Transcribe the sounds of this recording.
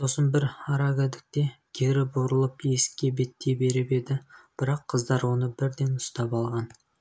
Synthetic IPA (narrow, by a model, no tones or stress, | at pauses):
so̞sənbɪɾɑɾɑɡʲad̪ɪk̚t̪e̞kʲʰeɾɪboɾəlˠəpje̞sɪ̥kʲːe̞be̞t̪ːe̞be̞ɾɪpe̞d̪ɪb̥ɪɾɑqʰːəzd̪ɑɾwo̞nəbɪɾd̪e̞nʊst̪ɑpɑlˠʁɑn